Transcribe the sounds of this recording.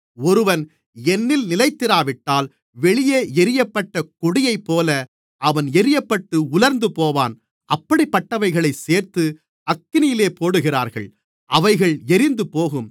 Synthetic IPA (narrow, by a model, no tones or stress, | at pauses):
ɔɾɯʋɐn | ɛnːɪlnɪlɐɪt̪ːɪɾaːʋɪʈːaːl | ʋɛɭɪjeːɛɾɪjɐpːɐʈːɐkɔɽɪjɐɪpːoːlɐ | ʔɐʋɐnɛɾɪjɐpːɐʈːɯʊlɐɾnd̪ɯpoːʋa̰ːn | ʔɐpːɐɽipːɐʈːɐʋɐɪɣɐɭɐɪseːɾt̪ɯ | ɐkːɪnɪjɪleːpoːɽɯɣɪra̰ːɾɣɐ̰ɭ | ʔɐʋɐɪɣɐɭɛɾɪnd̪ɯpoːɣɯm